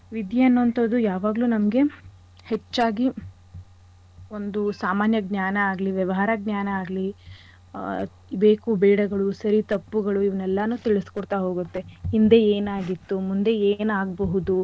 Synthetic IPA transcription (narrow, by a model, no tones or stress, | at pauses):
ʋid̪ʱjiɐnːoːnt̪oːd̪ujaːʋaːɡluːnɐmɐɡe̞ | het͡ʃːaːɡi | o̞nd̪usaːmaːnjɐɡnjaːnɐaːɡliʋjɐʋɐɦaːɾaɡnaːnɐaːɡli | be̞ːkubeːɽɐɡɐɭusɐɾit̪ɐpːuɡɐɭuiʋɐnɛlːɐnuːt̪iɭiskɔɽt̪aɦo̞ːɡut̪ːe̞ind̪e̞eːnaːɡit̪ːumund̪e̞eːnaːɡbɐɦud̪u